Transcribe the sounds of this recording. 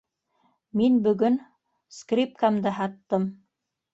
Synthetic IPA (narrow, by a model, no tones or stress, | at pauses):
minbɵ̆ɡɵn | skrʲip̚kamd̪ɤɦɑt̪ːɤm